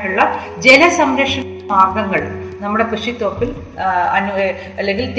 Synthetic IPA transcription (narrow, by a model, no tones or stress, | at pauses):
nuɭːɐ | d͡ʑe̞lɐsɐmɾɐʂɐ | maːrɡɐŋːɐɭ | nɐmːuɽe̞prɨʂit̪ːoːrpːil | ɐn | ɐlːeŋɡilt̪